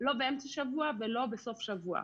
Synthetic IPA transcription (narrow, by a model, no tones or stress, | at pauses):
lo̞beʔemt͡saʃavuavelo̞beso̞fʃavua̰